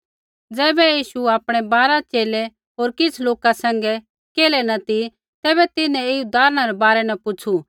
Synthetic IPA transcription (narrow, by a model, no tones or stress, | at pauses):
d͡zɛːbɛjiːʃuaːpɽ̃ɛbaːɾat͡ʃeːlɛ | ɦoːɾkɪt͡sʰloːkasɛ̃ŋ̆ɡɛ | keːlɛnɐt̪i | t̪ɛːbɛt̪ɪnɛ̃eud̪aːɾñaɾɛbaːɾɛnɛpʊt͡ʃʰu